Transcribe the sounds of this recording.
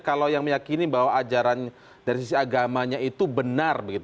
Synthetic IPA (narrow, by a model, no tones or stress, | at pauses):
kalawjaŋməjakinibaɦwaːd͡ʒaɾan | daɾisisiaɡamaɲait̪ubənarbəɡit̪